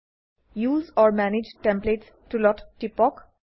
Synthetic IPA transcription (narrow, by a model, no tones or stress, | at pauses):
juːzɔːɾmænɪd͡ʒʈɛ̃mpleːʈs | ʈulɔʈʈːipɔk